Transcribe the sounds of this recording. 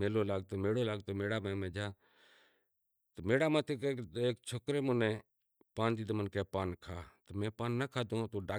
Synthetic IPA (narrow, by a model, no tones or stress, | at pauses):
meːloːlaːɡ̚t̪oːmeːɽoːlaːɡt̪oːmeːɽaːmẽːmẽːd͡ʒaː | t̪omeːɽaːmãːt̪ʰekːeːkt͡ʃʰoːkɾeːmʊnẽː | paːnd̪iːd̪mənkeːpaːnkʰaːt̪omɛ̃ːpaːnːəkʰaːd̪õːt̪oːɖaː